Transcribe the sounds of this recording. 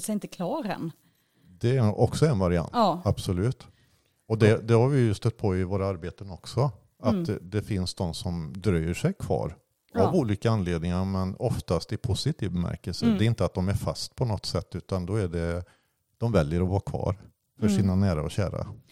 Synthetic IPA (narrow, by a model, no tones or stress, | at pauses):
sɛjɪnt̪əkʰlɑːɾɛ̰n | d̪ɛɔksɔɛnvaɾɪa̰nt̪ab̥sɔlʉ̟ːt̪ | ɔd̪ɛd̪ɛhaɾvɪjɵst̪œt̪̚ːpʰɔɪvoːɾaaɾbeːt̪ənɔksɔ | at̪d̪ɛfɪnsd̪ɔmsɔmd̪ɾœjəʂɛjkʰvɑ̰ːɾ | avuːliːkaanleːd̪nɪŋaɾmɛnɔft̪ast̪ɪpʰʊsɪt̪ʰiːvbɛmæ̰ɾkəlsəd̪ɛɪnt̪əat̪̚d̪ɔmæɾfast̪̚pʰɔnɔt̪ːsɛt̪ːʉ̟ːt̪and̪ɔæɖɛ | d̪̥ɔmvɛljəɾɔvɑːɾakʰv̥ɑ̰ːɾ | fœʂiːnanæːɾaɔɕæ̰ːɾa̰